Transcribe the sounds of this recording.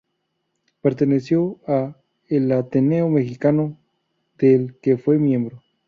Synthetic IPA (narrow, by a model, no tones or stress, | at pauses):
peɾt̪e̞nesjoa | elat̪eneome̞xikano | ð̥elkefwe̞mjẽmbɾo